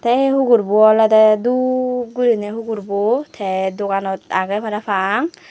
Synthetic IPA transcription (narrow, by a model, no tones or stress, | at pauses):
t̪ʰɛɦuɡuɾbuɔlad̪ɛd̪uɡuɾineɦuɡuɾbot̪ʰɛd̪okanɔt̪a̰ɡɛpʰaɾafʰaŋ